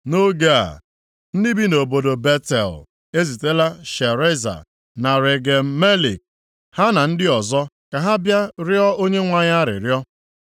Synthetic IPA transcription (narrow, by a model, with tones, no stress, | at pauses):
no˦ɡa˦a̰˨ | n̩˦dɪ˦bi˦no˨bo˨do˨be˦tḛ˨l | e˦zi˨te˦la˦ʃe˨ɾe˦za̰˨ | na˨ɾe˨ɡe˨m̩˦me˦lḭ˨k̚ | ha˦na˨n̩˦dɪ˦ɔ˨zɔ˦ | ka˨ɦa˦bja˦ɾjɔ˦o˦ɲe˦ŋʷa˦ɲa˦ɾɪ̰˨ɾjɔ˦